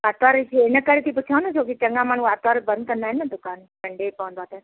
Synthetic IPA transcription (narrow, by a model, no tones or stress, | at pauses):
at̪aːɾseɪnəkɐɾet̪ʰip̬ʊt͡ʃʰaːʋ̃nd̪ot͡ʃʰoːkit͡ɕɐŋɡãmãːñukat̪aːɾbɐ̃nd̪̚kɐ̃nd̪aːɦɛnːɐd̪ʊkaːnpɐɳɖepɐʋə̃nd̪oaːt̪e